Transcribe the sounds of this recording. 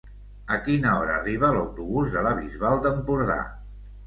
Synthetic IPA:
əkinəɔɾəːriβ̞ələwt̪uβuzðələβizβalˠd̪əmpuɾða̰

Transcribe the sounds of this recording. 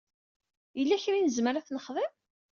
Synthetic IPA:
jəlːæçɾinəzməɾaθnəχðəm

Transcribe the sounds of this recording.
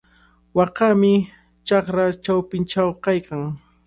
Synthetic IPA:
wɑqɑmɪ | t͡ʃɑχɾat͡ʃawpɪnt͡ʃawkajkaŋ

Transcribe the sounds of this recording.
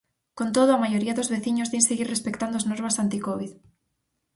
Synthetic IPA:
kont̪oðoamajoɾiaðozβeθiɲozðenseɣiɾrespekt̪and̪oaznoɾβasant̪ikoβ̞ið

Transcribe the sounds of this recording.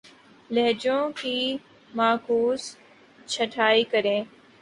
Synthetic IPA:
lɛɦd͡ʒõːkiː | maːkuːs | t͡ʃʰəʈʰaːiːkəɾẽː

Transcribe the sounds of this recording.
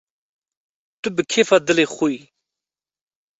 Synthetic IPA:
t̪ubəkʰefad̪əleχui

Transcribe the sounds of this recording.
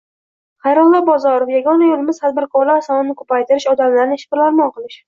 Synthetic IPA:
χɑjɾɒwlːˠɒbɒzɒɾofjaɡɒnajolɪmɪz̥t̪ʰad̪̚bɪɾkʰɒɾlaɾsɒnɪnɪkʰɵpajt̪ɪɾɪʃɒd̪amlaɾnɪeʃɪ̥bɪɾlaɾmɒɴqʰɨlˠɪʃ

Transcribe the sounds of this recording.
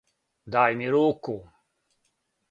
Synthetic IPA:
d̪aːjmiɾoːkːo

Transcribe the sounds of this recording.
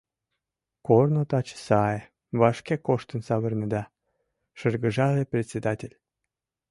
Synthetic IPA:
kornot̪ɑt͡ɕsɑje | βɑʃkekoʃt̪ənsɑβərnəd̪ɑ | ʃərɡəʒɑleprʲet̪ʲt͡sʲed̪ɑtʲelʲ

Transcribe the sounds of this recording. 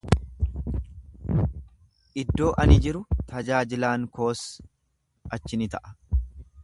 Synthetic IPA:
ʔɪd̪ːo̞ːʔɐnɪd͡ʒɪɾʊt̪ʰɐd͡ʒaːd͡ʒɪlaːŋko̞ːs | ɐt͡ʃːɪnɪt̪ɐʔɐ̥

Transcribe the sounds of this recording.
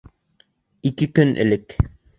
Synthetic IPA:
ikɘkɵnʔɘ̰lɘk

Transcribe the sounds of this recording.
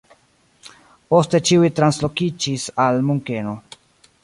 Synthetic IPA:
po̞ste̞t͡ʃiujtɾanslo̞kid͡ʒisalmuŋke̞no̞

